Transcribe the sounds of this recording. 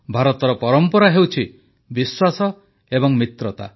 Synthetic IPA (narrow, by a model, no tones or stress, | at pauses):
bʱaɾɔt̪ɔɾɔpɔɾɔmpɔɾaɦewt͡ʃʰi | biswasɔ | ebɔŋmit̪ɾɔt̪a̰